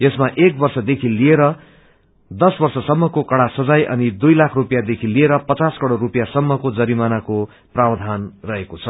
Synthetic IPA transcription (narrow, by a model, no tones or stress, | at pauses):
jesmaʔek̚bʌrsʌd̪ekʰilieɾʌ | d̪ʌsbʌrsʌsʌmːʌkokʌɽasʌd͡zajʔʌ̰nid̪ujlakʰrupjad̪ekʰilieɾʌpʌt͡saskʌɽoɾupjasʌmːʌkod͡zʌɾimanako | prabd̪ʱanrʌɦekot͡sʰʌ